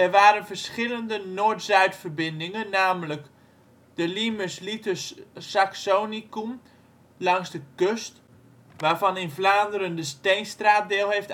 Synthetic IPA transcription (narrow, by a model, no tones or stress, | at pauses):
ɛrʋaːɾənfərsχɪləndənoːɹtzœɥtfərbɪndɪŋənːaːmlək | d̥əliməslitəssaksoːnikum | lɑŋsdəkøst | ʋaːɹvɑnɪnvlaːndəɾəndəstejnstraːt̚dɪːlˠɦeft